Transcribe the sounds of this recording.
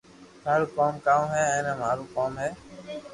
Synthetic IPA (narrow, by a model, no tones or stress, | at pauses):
maːɾuːkaːmkaːmɦɛːɛ̃ːnɛ̃ːmaːɾuːkaːmɦɛː